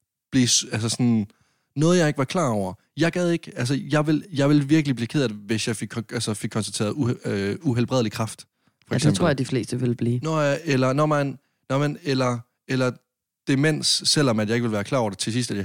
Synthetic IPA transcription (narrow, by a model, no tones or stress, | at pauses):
b̥lisæls̬əsɒ̽n | nɔ̽ːð̞̩ˠjɑ̈eɡ̥əʋɑ̈kʰlɑ̰̈ːɒʊ̰ɐ | jɑ̈ɪɡ̥ɛð̞ˠe̝ɡ̥əæls̬əjɑ̈ɪʋe̝ljɑ̈ɪʋe̝lʋiɐɡ̥əlib̥liːkʰeðˠɐðˠʋe̝sjɑ̈ɪfeɡ̥ʰælsəfe̝ɡ̥̚kʰːɒnsd̥æt͡sʰḛːɐðˠuuɦelb̥ʁɛðˠlikʰʁɑ̈fd̥ | fɒeɡsembʰʁo̰jad̥ifle̝̰ːsd̥əʋe̝lb̥liːnɔelɐnɒmæn | nɒmænelɐ | elɐ | d̥e̝men̰sːel̰ɒ̽mæd̥jɑ̈e̝ɡ̥ʋe̝lʋæːɐkʰlɑ̈ɒʊ̰ɐd̥et͡sʰe̝sisd̥æd̥j